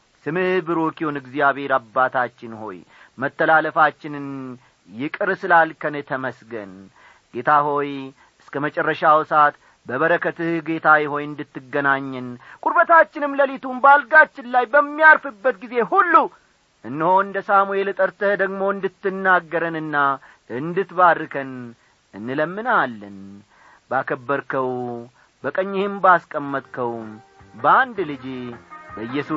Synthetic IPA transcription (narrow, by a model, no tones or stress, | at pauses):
sɨmɨhbɨɾokihunɨɡzijaβhe̞ɾabːat̪ʰat͡ʃːɪnho̞̰j | mət̪ːəlaləfat͡ʃːɪnɨn | jɪkʼɨɾsɨlalkʰənɨt̪ʰəməsɡə̰n | ɡ̥e̞t̪ʰaho̞j | ɨskʰəmət͡ʃʼɛrːəʃawsat̪ | bəβəɾəkʰət̪ɨhɡe̞t̪ʰajɪho̞jɨnd̪ɨt̪ːɨɡːənaɲːɨnkʼuɾbət̪at͡ʃːɪnɨmləlit̪ʰumbalɡat͡ʃːɪnlajbəmːijaɾfɨbːət̪ɡize̞hulːu | ʔɨnːɨho̞ɨnd̪əsamue̞lɨt̪ʼəɾt̪ʰəhd̪əɡmo̞ɨnd̪ɨt̪ːɨnːaɡːəɾənɨnːa | ʔɨnd̪ɨt̪badːɨkʰən | ɨnːɨləmːɨnalːən | bakʰəbːəɾkʰəw | bəkʼəɲːɪhɪmbaskʼəmːət̪ʼkʰəwbəand̪lɨd͡ʒibəɨjːɛsu